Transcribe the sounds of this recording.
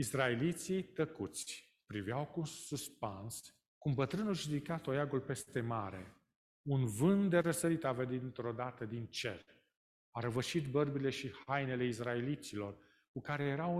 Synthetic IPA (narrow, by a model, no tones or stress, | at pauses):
israelit̪sit̪əkut̪sʲ | pɾivjawkunsuspans | kumbət̪ɾɨnulʒud̪ikat̪ojaɡulpe̞st̪e̞maɾe̞̰ | unvɨnd̪d̪e̞ɾəsəɾit̪aved̪it̪ɨnt̪ɾo̞d̪at̪əd̪int͡ʃe̞̰r | aɾəvəʃit̪bərbile̞ʃihajne̞le̞is̬raelit̪silo̞r | kukaɾe̞je̞ɾaw